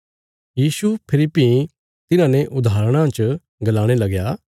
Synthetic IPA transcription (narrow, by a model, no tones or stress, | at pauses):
jiːsupʰɪlɪpi | t̪ɪnãːneʔʊd̪ʱaːɾəɽ̃ãt͡ʃ | ɡɐlaːɽ̃elɐɡjaː